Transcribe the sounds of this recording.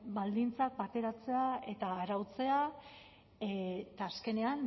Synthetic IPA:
bald̪int͡sak̚bat̪e̞ɾat͡se̞ae̞t̪aːɾawt͡se̞a | et̪aːske̞ne̞an

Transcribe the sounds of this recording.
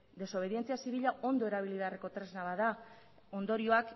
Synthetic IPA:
d̪e̞so̞β̞e̞ðie̞nt͡siasiβiʎaʔo̞nd̪o̞eɾaβ̞iliðareko̞t̪ɾe̞znaβaða | o̞nd̪o̞ɾio̞ak

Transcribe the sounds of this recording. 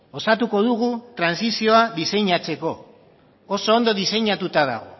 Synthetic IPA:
o̞sat̪uko̞ðuɣut̪ɾansisio̞aðise̞ɲat͡se̞ko̞ː | so̞ːnd̪o̞ðise̞ɲat̪ut̪aða̰ɣo

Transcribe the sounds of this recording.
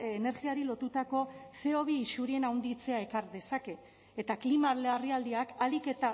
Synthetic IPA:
ene̞ɾɣiaɾilo̞t̪ut̪ako̞se̞o̞βiːsuɾie̞nawnd̪it͡se̞ae̞kaɾðe̞sake̞ː | t̪aklimaleariald̪iakalike̞t̪a

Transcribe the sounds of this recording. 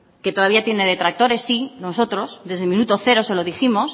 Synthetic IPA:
ke̞t̪oðaβiat̪je̞ne̞ð̞e̞t̪ɾak̚t̪o̞ɾe̞sːino̞so̞t̪ɾo̞sðe̞zðemĩnut̪o̞θe̞ɾo̞se̞lo̞ðiximo̞s

